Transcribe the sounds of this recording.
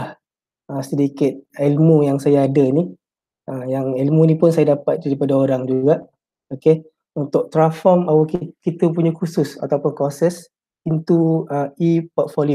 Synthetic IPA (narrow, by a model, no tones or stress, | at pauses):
ah | əsədikɪt̪̚ɛlmũjaŋsajaːdəni | əjaŋɛlmũnipʊnsajadapat̪̚daɾipadaoɾaŋd͡ʒuɡaʔ | oke | unt̪ʊʔ̚t̪ɾanfɔmawakikit̪əpuɲakusʊsa̰t̪awpʊnkɔsɛs | int̪uəipɔt̪̚folio